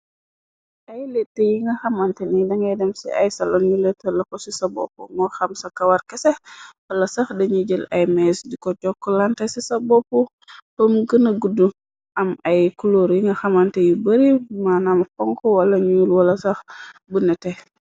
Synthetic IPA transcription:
ʔajletːejiŋɡɐxamantɛnidaŋɡɛdɛmsḭa̰jsalɔnjulɛtːɛlakɔsisabɔ̰pumɔxamsakawaɾkɛsɛwɔlasaxdɛɲid͡ʒəlajmɛsdikɔt͡ʃɔkːɔlantɛsisabɔpu | pomɡənaɡudu | ʔamajkuloɾjiŋɡɐxamantɛjubəɾimanamkɔŋkɔwalaɲuulwalasaxbunɛtɛ

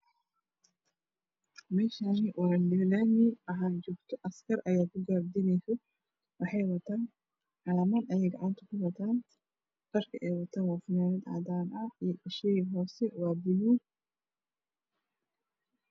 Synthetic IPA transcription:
mɛːʃaːnɪwɑɐndɪnaːnɪɐɦaːt͡ʃɔːɡt̪ʰɔʔɐskʰɐrʔɐjaːkʰʊɡaːbd̪ɪnɛjsɐ | wɑħɑjwɐt̪ʰaːn | ʕɑlɐmɐnɐjɛjɡɐʕɑnt̪ʰɐkʰʊwɐt̪ʰaːn | b̥ɐrkʰɐʔɛjwɐt̪ʰaːnwɑːfʊnaːnɐd̪ʕɑ̰d̪aːnʔɐijɐʃɛjɦɔːsɛwɑːbʊluːɡ

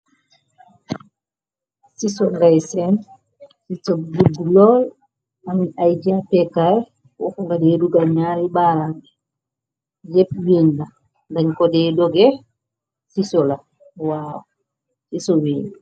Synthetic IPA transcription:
sisɔŋɡajsɛn | sisɔbbudulɔl | amiʔajd͡ʒapɛkaj | wɔ̰kɔŋɡadɛduɡalɲaːɾibaɾaŋɡɛ | d͡ʒepjeɲda | ndaɲkɔdɛːdɔɡɛ | sisɔla | waːw | sisɔwiːn

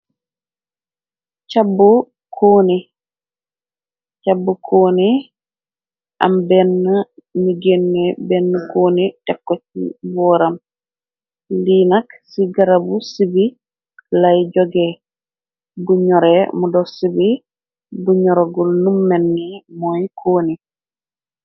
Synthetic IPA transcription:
t͡ʃabːu | kʰoːni | t͡ʃabːukʰoːni | ʔa̰mbɛnːamiɡenːɛbɛnːukonitɛkːot͡ʃːḭbɔːɾam | linaksiɡaɾabusibi | lajd͡ʒɔɡɛ | buɲɔɾɛmudɔsibi | buɲɔɾɔɡɔlnumːɛnːimojkʰoːni

